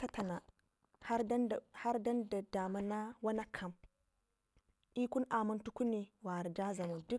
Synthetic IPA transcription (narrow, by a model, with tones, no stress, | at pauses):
ta˦ta˨na˨ | ha˦ɾha˦ɾda˦nda˨da˨ma˦na˦wa˦na˦kʰa˨m | ʔi˦ku˦nʔa˨ma˦ntu˦ku˦ni˨wa˨ɾd͡ʒa˦za˨mu˨du˦